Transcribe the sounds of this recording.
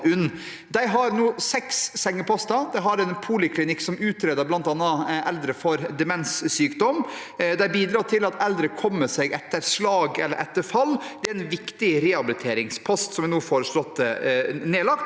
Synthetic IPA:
ʉnː | d̪æɪɦɑɾnuːsɛksːɛŋːəpʰɔst̪ɑd̪æɪɦɑɾɛnpʰuːlɪkʰlɪnɪkːsɔmʉːt̪ʰɾeːd̪əblɑnt̪ɑnːɑʔɛld̪ɾəfɔɾd̪ɛmɛnsːyːkd̪ɔm | d̪æɪbiːd̪ɾɑːt̪ʰɪlɑt̪ɛld̪ɾəkʰɔmːəsɛɡɛt̪ːəɾslɑːɡɛlːəɾʔɛt̪ːəɾfɑlːd̪ɛæɪnʋɪkt̪ɪɾɛɑbɪlɪt̪ʰeːɾɪŋspʰɔst̪sɔmʋɛɪnuːfɔːɾəʂlɔt̪ːəneːlɑk̚t̪

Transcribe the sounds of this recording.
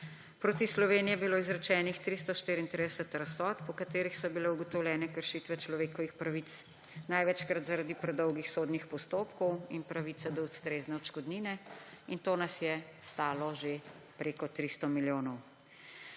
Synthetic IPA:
pɾot̪islɔʋeːnijɛbiloːizɾɛt͡ʃɛːnixt̪ɾist̪ɔʃt̪iːɾiːnt̪ɾid̪ɛsɛt̪ɾasɔːt̪pɔkat̪eːɾixsɔbilɛuɡɔt̪ɔwlʲjɛːnɛkəɾʃiːt̪ʋɛt͡ʃlɔʋeːkɔʋixpɾaʋit̪s | najʋɛt͡ʃkɾat̪zaɾad̪ipɾɛd̪ɔwɡixsoːd̪nixpɔst̪oːpkɔwinpɾaʋit̪sɛd̪ɔust̪ɾeːznɛɔt͡ʃkɔd̪niːnɛ | int̪oːnasjɛst̪aːlɔʒe | pɾeːkɔt̪ɾist̪ɔmiljoːnɔw

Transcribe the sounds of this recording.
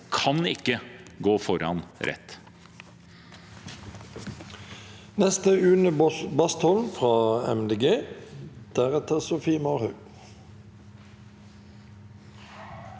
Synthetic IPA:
kʰɑnɪkːəɡoːfɔɾɑ̰nɾɛ̰t̪ː | nɛst̪əʉːnəbɑst̪hɔlnfʁɑːɛ̰md̪eːɡeː | d̪̥æʁɛt̪ʰəʁsʊfiːmɑːʁhʉː

